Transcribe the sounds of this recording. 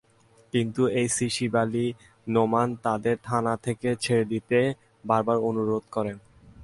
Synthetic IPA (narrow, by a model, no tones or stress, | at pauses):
kint̪uejsiʃibali | nomant̪ad̪eɾt̪ʰanat̪ʰeket͡ɕʰeɾed̪it̪e | baɾbaɾonuɾod̪̚kɔɾen